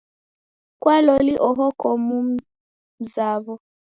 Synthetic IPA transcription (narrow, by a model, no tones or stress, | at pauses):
kwalɔliʔɔɦɔkɔmu | m̩zavɔ